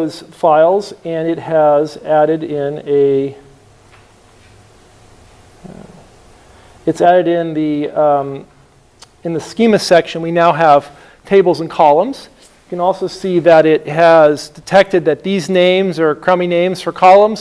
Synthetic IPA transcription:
ʊz̥faɪlˠzɨ̃nɨt̚hɨzæɾɨɾɪ̃nɨ | ɨtsæɾɨɾɪ̃nði | ɨ̃nðɨskĩmɨsɛkʃɨ̃nwinaʊəv̥ | tʰeɪbl̩ˠzə̃n̩kʰɑlˠə̃mz̥ | jɨkɨ̃nɔlˠsoʊsiðɨɾɪt̚ɦɨzdɨtʰɛk̚tɨd̪̚ðɨt̪̚ðiznẽɪ̃mzə˞kʰɹ̥ʌ̃minẽɪ̃mz̥fə˞kʰɑlˠə̃mz̥

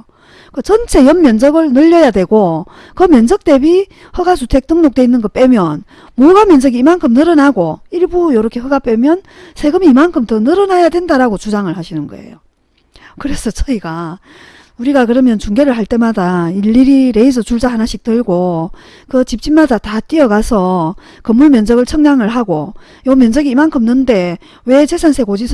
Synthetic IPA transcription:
kɯt͡ɕʌnt͡ɕʰe̞jʌmːjʌnd͡ʑʌɡɯɭnɯʎːʌjadwe̞ɡo | kɯmjʌnd͡ʑʌk̚t͈e̞bi | hɯɡasʰutʰe̞k̚t͈ɯŋnok̚t͈we̞inːɯnɡʌp͈e̞mjʌn | moɡamjʌnd͡ʑʌɡiːmankʰɯmnɯɾʌnaɡoiɭbujoɾʌkʰe̞ɦɯɡap͈emjʌn | sʰe̞ɡɯmiːmankʰɯmtʌnɯɾʌnajadwe̞ndaɾaɡot͡ɕud͡ʑaŋɯɭhaɕʰinɯnɡʌḛjo | kɯɾe̞sʰʌt͡ɕʌiɡa | uɾiɡakɯɾʌmjʌnt͡ɕuŋɡe̞ɾɯɭhaɭt͈e̞madaiɭːiɾiɾe̞isʰʌt͡ɕuɭd͡ʑaɦanaɕʰik̚t͈ɯɭɡo | kɯt͡ɕip̚t͡ɕ͈inmadatat͈iʌɡasʰʌ | kɯmːuɭmjʌnd͡ʑʌɡɯɭt͡ɕʰʌŋɲaŋɯɭɦaɡo | jomjʌnd͡ʑʌɡiːmankʰɯmnɯnde̞ | we̞t͡ɕesʰansʰe̞ɡod͡ʑisʰ

